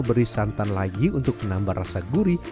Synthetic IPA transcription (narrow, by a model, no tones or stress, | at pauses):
bəɾisant̪anlaɡiunt̪ʊk̚mənambarasaɡuɾi